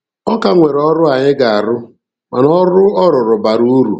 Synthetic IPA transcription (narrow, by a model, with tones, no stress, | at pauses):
ɔ˦ka˦ŋʷe˨ɾɔ˦ɾʊ˦a˨ɲɪ˦ɡa˨a˨ɾʊ˦ | ma˨nɔ˦ɾʊ˦ɔ˦ɾʊ˨ɾʊ˨ba˨ɾu˦ɾṵ˨